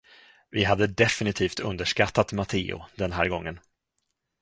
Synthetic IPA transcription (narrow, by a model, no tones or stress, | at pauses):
vɪɦad̪ːəd̪ɛfɪnɪt̪ʰiːft̪ɵnd̪əʂkat̪ːat̪mat̪ʰḛːʊ̰d̪ɛnɦæ̰ːɾɡɔŋːən